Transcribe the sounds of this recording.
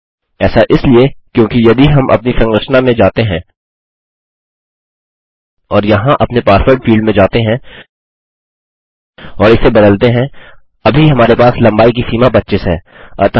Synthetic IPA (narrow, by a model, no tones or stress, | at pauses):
ɛːsaʔɪsliekjõːkijɐd̪ʱiɦɐmʔɐ̰p̚nisɐ̃ŋɡɾəʃnamẽd͡ʒaːt̪eɦɛ̃ː | ɔːɾjɐɦãʔɐpnepaːɾfəɾɖfiːlɖmẽd͡ʒaːt̪eɦɛ̃ | ɔːɾɪsebɐd̪əlt̪eɦɛ̃ | ɐbʱiɦɐmaːɾepaːslɐ̃mbaːik̬isiːmapɐt̪ːʃɪsɦɛ̰ː | ɐ̰ɾt̪ɐ